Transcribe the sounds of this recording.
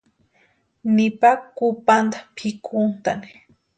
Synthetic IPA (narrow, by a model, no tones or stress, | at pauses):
nipakupant̪ḁpʰikʊnt̪a̰ni̥